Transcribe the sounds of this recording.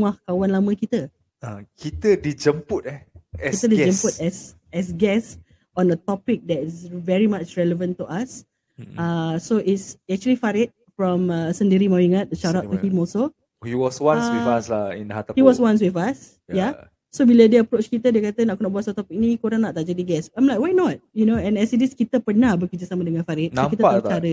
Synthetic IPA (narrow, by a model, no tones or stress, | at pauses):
ŋahkawanlamə̃kit̪ə | akit̪ədid͡ʒəmput̪̚ɛɛkit̪ədid͡ʒə̃mput̪̚ɛs | ɛs̬ɡɛs | ɔ̃ndət̪ɔpɪk̚dɛtisvɛɹimat͡ʃɹɛləvə̃nt̪uʔas | asoʔitsɛk̚t͡ʃuəlifaɾɪt̚fɹɔ̃məsə̃ndiɾimawiŋat̪̚dəʃaɾaʔt̪uhĩmɔlso | hiwɔswãswiaslaḭ̃nhat̪ahiwɔswãnswifas | jja | sobilədiəpɾot͡ʃkit̪ədiəkat̪ənaʔkunɔʔbuasat̪ɔpɪk̚nikoɾãŋnaʔt̪aʔd͡ʒadiɡɛsãjmlajk̚wajnɔt̚junoɛ̃nɛsidiskit̪əpərnahbəkəd͡ʒəsamadəŋãnfaɾit̚akit̪ətt͡ʃaɾə